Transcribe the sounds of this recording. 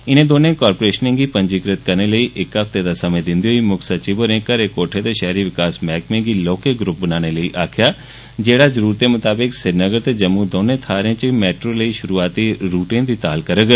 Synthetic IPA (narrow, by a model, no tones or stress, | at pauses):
ɪnẽːd̪oːnẽkɔːɾpoɾeːʃənẽɡiːpə̃ɲd͡ʒikɾət̪kəɾneləiːʔɪkaft̪ed̪aːsɐmẽd̪ɪ̃nd̪ioimʊkʰsɐt͡ʃibəɾẽkəɾekoːʈʰet̪eʃɛɦɾiʋɪkaːsmɛːkmẽɡiːlɔːkeɡɾʊp̚bənaːɽ̃eləiːʔaːkʰɪjaː | d͡ʒeːɽazəɾuːɾt̪emʊt̪aːbɪksɪɾnəɡəɾt̪ed͡ʒɐmːũd̪oːnẽːt̪ʰaːɾẽːt͡ʃmɛːʈɾoːləiːʃʊɾuːaːt̪iɾuːʈẽːd̪iːt̪aːlkəɾəɡ